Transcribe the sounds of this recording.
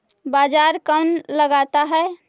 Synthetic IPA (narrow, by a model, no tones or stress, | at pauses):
bad͡ʒaɾkanləɡat̪aɦɛ